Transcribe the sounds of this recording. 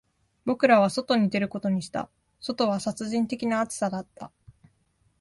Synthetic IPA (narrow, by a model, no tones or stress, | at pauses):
bo̞kɯ̟ɾaβ̞aso̞t̪o̞ɲ̟id̪e̞ɾɯ̟ko̞t̪o̞ɲ̟iɕi̥t̪a̰ | so̞t̪o̞β̞asat͡sɨʑĩnt̪e̞kʲinaːt͡sɨ̥sad̪at̪ːa̰